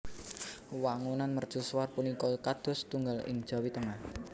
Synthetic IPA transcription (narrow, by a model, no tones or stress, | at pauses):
waŋunanmər̥ʒ̥ṳswarpunikɔkad̪̥ɔ̤st̪uŋɡalɪ̰ŋ̥ʒ̥a̤wit̪əŋan